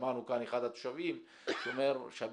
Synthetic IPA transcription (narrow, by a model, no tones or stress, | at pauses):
manukaneχad̪at̪u̥ʃavim | ʃomeɾʃab